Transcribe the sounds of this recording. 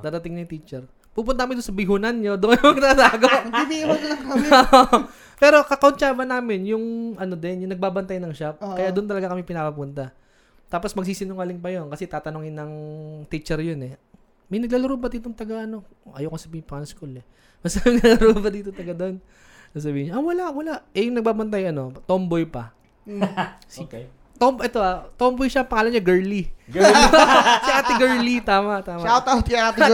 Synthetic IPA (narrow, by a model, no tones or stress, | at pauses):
d̪aːd̪ɐt̪ɪŋnɐt̪it͡ʃɛɾ | puːpʊnt̪ɐkɐmɪnd̪ʊnsɐbɪɦunɐnɲo̞d̪oʔɐjmɐɡ̚t̪asaːɡobiɐlɐŋkɐoo | pɛːɾo̞kɐkɐʊnt͡ʃaːbɐnaːmɪnjʊŋʔɐno̞d̪ɛnjʊŋnɐɡ̚baːbɐnt̪ajnɐŋʃapkɐjaːd̪ʊnt̪ɐlɐɡakɐmɛpɪnapɐpunt̪ɐ | t̪aːpo̞smɐɡ̚siːsɪnʊŋalɪŋpɐjo̞nkɐsɛt̪aːt̪ɐnoŋɪnːɐŋt̪it͡ʃɛɾjonɛ | mɐjnɐɡlaːlɐɾoːbɐd̪iːt̪oŋt̪ɐɡaʔɐno̞ʔɐjokosɐpipɐɐnɐskulɛ | mɐsaɪnalɐɾobɐd̪iːt̪ot̪ɐɡɐd̪o̞n | sas̬ɐbiːhɪɲaʔɐwɐlaʔwɐlaʔɛjʊŋnɐɡ̚baːbɐnt̪ajɐno̞t̪ombojpɐ | s | t̪ombʔɛt̪oʔat̪ombojʃɐpɐŋaːlɐnɲaɡɛɹli | sɐʔaːt̪ɪɡɛɹlit̪aːmɐʔt̪aːmot̪at̪aat̪